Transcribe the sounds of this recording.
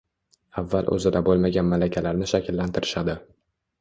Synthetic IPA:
avːalʔɵ̰zɪd̪abolˠmaɡʲanmalakʲʰalaɾnɪʃakʲʰɪlːant̪ʰɪɾɪʃad̪ɪ

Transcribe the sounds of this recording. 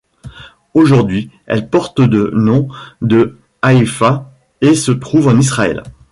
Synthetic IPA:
oʒuʁd̪ɥi | ɛ̰lpɔʁt̪d̪ənɔ̃d̪ə | aifa | esət̪χuvɑ̃nisχaɛ̰l

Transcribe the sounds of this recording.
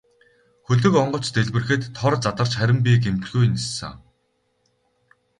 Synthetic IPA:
xɵɮɵ̆kɔɴɢɞ̆t͡ɕt̪eɮpɘ̆rxɘ̆t̪ʰːɔrt͡sat̪ə̆r̥t͡ɕχæɾʲɪ̆mp̬iːk̬emt̪ɡujnisːa̰

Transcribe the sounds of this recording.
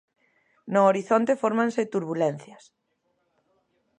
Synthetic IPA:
nooɾiθont̪efoɾmãnset̪uɾβulen̟θjɐs

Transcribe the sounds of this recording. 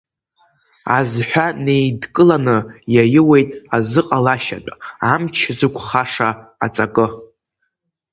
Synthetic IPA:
azħʷᶣane̞jdkʼɨlanɨjajɪwe̞jtʼazɨqʼalaʃa̰t͡pʼaamt͡ʃʰzɨkʷʰʼχaʂaːt͡sʼakʼɨ

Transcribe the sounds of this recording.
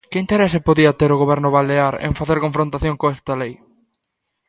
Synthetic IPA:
kɪint̪eɾɛsɪpoðiɐt̪eɾʊɣoβɛɾnʊβaleaɾḛŋfaθeɾkoɱfɾõnt̪aθjoŋkoɛst̪ɐlej

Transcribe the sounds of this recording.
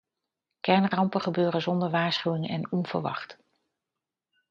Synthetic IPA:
kɛɹnrɑmpəχəbøːɾəzɔndəɹʋaːɹsχywɪŋɛ̰nɔnv̥ə̰ɹʋɑ̰χt

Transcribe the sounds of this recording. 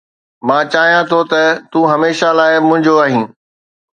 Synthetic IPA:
mãːt͡ɕaːɦijãt̪ʰot̪ɐt̪uːɦɐmeːʃalaːɪmʊ̃ɦɪ̃ɲd͡ʑoaːɦĩː

